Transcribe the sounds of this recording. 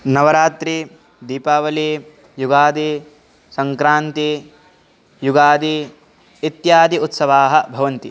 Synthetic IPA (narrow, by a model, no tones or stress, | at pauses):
nɐʋɐɾaːt̪ɾi | d̪iːpaːʋɐliː | juɡaːd̪i | sɐŋkɾaːnt̪i | juɡaːd̪iː | it̪jaːd̪iut̪sɐʋaːɦɐbʱɐʋɐnt̪i